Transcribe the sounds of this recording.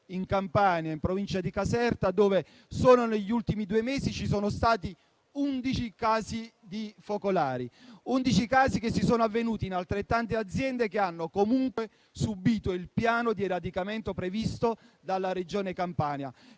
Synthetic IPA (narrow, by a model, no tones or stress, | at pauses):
iŋkampaːnjaimpɾovint͡ʃad̪ikasɛrt̪ad̪oːve | soːnoneʎːiult̪imid̪uemeːsit͡ʃisoːnost̪aːt̪i | und̪it͡ʃikaːzid̪ifokolaːɾiund̪it͡ʃikaːsikesːisoːnoavːenuːt̪iːnalt̪ɾet̪ːant̪ead̪zːjɛnd̪ekeanːokomuŋkwe | subiːt̪oilpjaːnod̪ieɾad̪ikament̪opɾevist̪od̪alːaɾed͡ʒoːnekampaːnja̰